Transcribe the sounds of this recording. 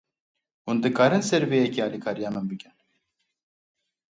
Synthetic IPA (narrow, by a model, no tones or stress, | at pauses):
hund̪ɨkʰaːɾɨnsɛɾvejɛkʰiaːlikʰaːɾijaːnɨmbɨkʲɛn